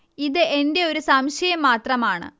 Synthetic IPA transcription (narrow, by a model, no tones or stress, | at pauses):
iðɨʔe̞nde̞o̞ɾusɐmɕjɐjɐmːaːt̪rɐmaːɳɨ̰